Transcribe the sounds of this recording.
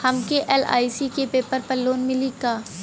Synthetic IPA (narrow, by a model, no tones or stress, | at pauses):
hɐmkeʔɛːla̰ːisikepeːpəɾpəlːoːnmɪlikaː